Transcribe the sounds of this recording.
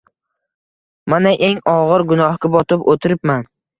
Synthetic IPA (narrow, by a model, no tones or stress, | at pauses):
manaʔe̞ŋɒʁɨɾɡʊnɒhkʲabɒt̪ʰɪpot̪ʰɪɾɪpman